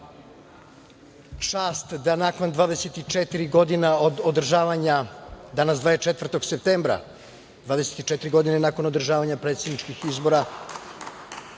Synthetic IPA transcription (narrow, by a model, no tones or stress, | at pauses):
t͡ʂaːst̪d̪anako̞nd̪ʋaːd̪eset̪it͡ʂet̪iɾiɡo̞d̪inaod̪od̪r̩ʒaːʋaɲad̪anasd̪vaːet͡ʃet̪vr̩t̪o̞ɡsep̚t̪eːmbɾa̰ | d̪vaːd̪eset̪it͡ʃet̪iɾiɡo̞d̪inenako̞nod̪r̩ʒaːʋaɲapɾe̞t̪sed̪nit͡ʂkixizbo̞ɾa